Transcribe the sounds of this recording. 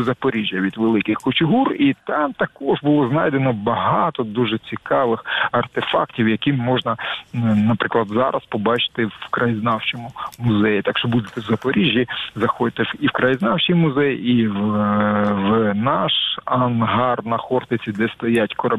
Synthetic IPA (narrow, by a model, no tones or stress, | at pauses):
zɐpɔɾʲiʒʲjɐʋʲid̪ʋelˠɪkɪxkʊt͡ʃɪɦurit̪ɑmt̪ɐkɔʒbʊlˠɔznɑjd̪enɔbɐɦɑt̪ɔd̪uʒɛt͡sʲikɑʋɪxɐrt̪efɑ̰ktʲiwjɐkimːɔʒnɐnɐpɾɪklˠɐd̪zɑ̰ɾɐspɔbɑt͡ʃɪ̥t̪ɪwkɾɐjiznɑwt͡ʃɔmʊmʊzɛjit̪ɑkʃt͡ʃɔbud̪et̪ɛzɐpɔɾʲiʒʲjizɐxɔd̪ʲɪt̪ɪiwkɾɐjiznɑwt͡ʃijmʊzɛjiw | ʋnɑʃɐnɦɑrnɐxɔrt̪ɪt͡sʲid̪ɛst̪ɐjatʲkɔɾɐ